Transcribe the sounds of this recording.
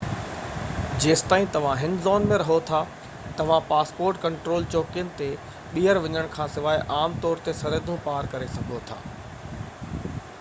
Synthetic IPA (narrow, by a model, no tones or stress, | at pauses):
d͡ʑeːst̪aːɦĩt̪ɐʋ̤ãɦɪnzɔːnmẽɾɐɦot̪ʰa | t̪ɐʋ̤ãpaːspoːɾʈkɐ̃ɳʈɾoːlt͡ɕoːkijənɪ̆t̪e | ɓiːəɾʋɐɲəɽ̃kʰãːsɪʋaːɪʔaːmt̪ɔːɾt̪esɐɾəd̪ʱũpaːɾkɐɾesɐɡʱot̪ʰa̰ː